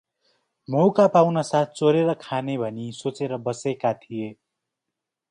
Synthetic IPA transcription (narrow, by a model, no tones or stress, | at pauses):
mowkapawnasat̪̚ʰt͡soɾeɾʌkʰanebʱʌnisot͡seɾʌbʌsekat̪ʰije